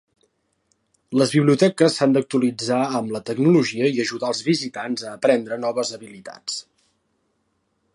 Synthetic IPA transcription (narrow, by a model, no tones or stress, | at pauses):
ləzβiβliut̪ɛkəsːand̪ək̚t̪uəlid͡zaəmlət̪əɡnuluʒiəiəʒuðaəlˠzβizit̪anzəːpɾɛnd̪ɾənɔβ̞əzəβilit̪a̰t͡s